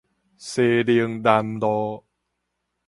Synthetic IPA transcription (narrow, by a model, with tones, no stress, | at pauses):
seː˧di˧əŋda˧ndɔː˧